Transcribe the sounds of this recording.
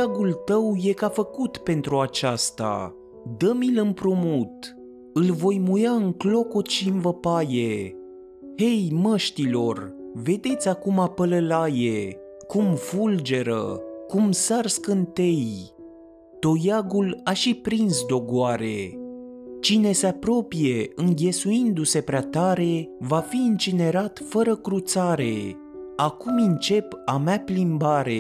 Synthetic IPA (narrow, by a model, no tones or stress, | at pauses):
aɡult̪əwje̞kafəkut̪pe̞nt̪ɾuat͡ʃast̪a̰ | d̪əmilɨmpɾumut̪ | ɨlvo̞jmujaɨŋklo̞kot̪ʃiɨnvəpaje | he̞jməʃt̪ilo̞rve̞d̪e̞t̪sʲakumapələlaje | kumfuld͡ʒe̞ɾə̰kumsarskɨnt̪e̞j | t̪o̞jaɡulaʃipɾinsd̪o̞ɡoaɾe̞ | t͡ʃine̞seapɾo̞pije̞ɨŋɡʲe̞suind̪use̞pɾeat̪aɾe̞vafiːnt͡ʃine̞ɾat̪fəɾəkɾut̪saɾe̞ | akumɨnt͡ʃe̞pamaplimbaɾe̞